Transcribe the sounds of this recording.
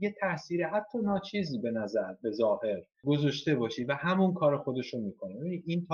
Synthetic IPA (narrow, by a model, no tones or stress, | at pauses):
je̞t̪ʰæsiːɾeɦæt̪ʰːɒːnɒːt͡ʃʰiːziːbe̞næzæɾbe̞zɒːhe̞ɾ | ɡo̞zɒʃt̪e̞bɒːʃiːvæhæmunkʰɒːɾexo̞d̪e̞ʃomiːkʰo̞nebe̞biniːd̪iːnt̪ʰː